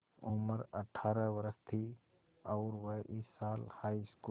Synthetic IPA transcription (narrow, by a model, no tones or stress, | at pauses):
ʊməɾə̰ʈʰaːɾəʋəɾəst̪ʰi | ɔːɾʋəʔɪsːaːlhaːisku